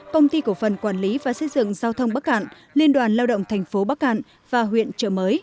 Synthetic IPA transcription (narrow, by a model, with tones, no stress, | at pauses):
kə˧wŋ͡mt̪i˧ku˧˩əfə˨˩nkwaː˧˩nli˨˦vaː˨˩sə˧jzɨ̰˧˨ŋzaː˧wt̪ʰə˧wŋ͡mɓaː˦˥k̚ha̰ː˧˨n | li˧ənɗwaː˨˩nlaː˧wɗə̰˧˨wŋ͡mt̪ʰɛ˨˩jŋ̟fo˨˦ɓaː˦˥k̚ha̰ː˧˨n | v̥aː˨˩ɦwḭ˧˨ənt͡ɕə̰ː˧˩məː˨˦j